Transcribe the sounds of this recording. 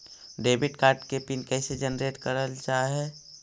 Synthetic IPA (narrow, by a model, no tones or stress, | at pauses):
ɖeːbɪʈkaːɾʈkepinkɛːsed͡ʒənɾeːʈkəɾəlt͡ʃaːɦeː